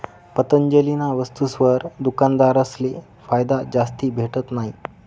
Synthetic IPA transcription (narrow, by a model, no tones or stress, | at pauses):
pət̪əɲd͡ʑəlinaʋəst̪usʋəɾd̪ukand̪aɾəsle | fajd̪ad͡ʑast̪iːbʱeʈət̪naɦi